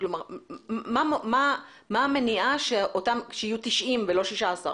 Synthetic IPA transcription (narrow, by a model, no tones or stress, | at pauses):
klo̞maʁmmamma | maːmeniʔaʃeʔot̪amʃeijut̪iʃʔimvelo̞ʃiʃaːsa̰ʁ